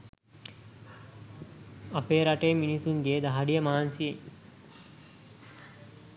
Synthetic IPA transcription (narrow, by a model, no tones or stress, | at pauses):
ɐpeːɾaʈeːminisuŋɡeːd̪ɐɦaɖijəmaːansieŋ